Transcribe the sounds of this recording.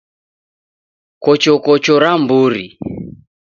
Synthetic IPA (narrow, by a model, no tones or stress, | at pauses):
kɔt͡ʃɔkɔt͡ʃɔɾambuɾi